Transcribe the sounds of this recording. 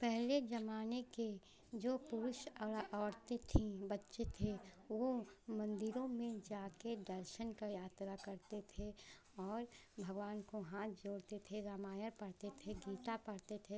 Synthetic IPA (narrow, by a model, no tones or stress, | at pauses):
pɛɦled͡ʒɐmaːneke | d͡ʒoːpʊɾʊʃəʔɔːɽt̪et̪ʰĩbɐtːʃet̪ʰe | ʋomɐ̃nd̪ɪɾõmẽd͡ʒaːked̪ɐɾʃənkajaːt̪ɾakɐɾt̪et̪ʰe | ɔːɾbʱɐɡʋaːnkoɦãːt̪ʰd͡ʒoːɽt̪et̪ʰeɾamaːjəɾpɐɽt̪et̪ʰeɡiːt̪apɐɽt̪et̪ʰe